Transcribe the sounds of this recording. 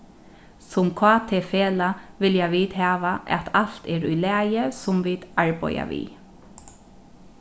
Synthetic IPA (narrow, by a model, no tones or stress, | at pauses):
sʊmkʰɑːt̪ʰeːfeːlaʋɪljaʋiːt̪haːʋaʔɛ̰t̪ʰal̥t̪ɛɹujlɛːjəsʊmʋiːd̪aɹpɔ̰ja̰ʋḭ